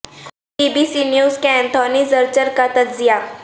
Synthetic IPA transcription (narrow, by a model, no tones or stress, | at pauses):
ɖiːbiːsinjuːzkɛ̃ːnt̪ʰɔːnizɐɾt͡ʃəɾkat̪ɐd͡ʒzija